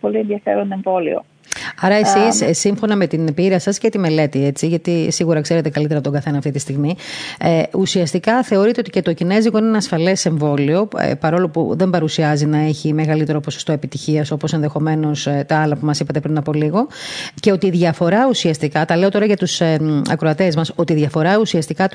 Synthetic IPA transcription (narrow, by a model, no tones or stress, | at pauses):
po̞lienðiɐfḛɾoneɱvo̞lḭo̰ | ɐɾɐesissiɱfo̞nɐme̞t̪inpiɾɐsɐscet̪ime̞le̞t̪iet͡siʝɐt̪isiɣuɾɐkse̞ɾe̞t̪e̞kɐlit̪eɾɐpot̪oɡɐθe̞nɐft̪it̪ist̪iɣmi | usiɐst̪ikɐθe̞o̞ɾit̪eot̪ice̞t̪o̞cine̞ziɣo̞ineneɐsfɐle̞se̞ɱvo̞lio̞̰pɐɾo̞lo̞pṵðe̞mbɐɾusiɐzinɐe̞çime̞ɣɐlit̪e̞ɾo̞po̞sost̪o̞e̞pit̪içiɐso̞po̞se̞nðexo̞me̞no̞st̪ɐɐlɐpumɐsipɐt̪e̞pɾinɐpo̞liɣo̞ce̞o̞t̪iːðʝɐfo̞ɾɐusiɐst̪ikɐt̪ɐle̞ot̪o̞ɾɐʝɐt̪usɐ̰kɾoɐt̪e̞zmɐso̞t̪iːðʝɐfo̞ɾɐusiɐst̪ikɐ